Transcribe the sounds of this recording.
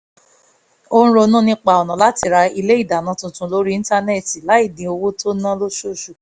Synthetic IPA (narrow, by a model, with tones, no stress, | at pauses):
o˧ñ̩˦ɾo˧nũ˦nĩ˦k͡pa˧˨ɔ˨nã˨la˨˦ti˧ɾa˧i˧le˦i˦˨da˨nã˨˦tũ˧tũ˧˦lo˦ɾĩ˦ĩ˦ta˦˧nɛ˦˨ti˨la˨˦i˦˨dĩ˨o˧wo˦tʰo˦nã˦lo˦ʃo˦˨ʃu˨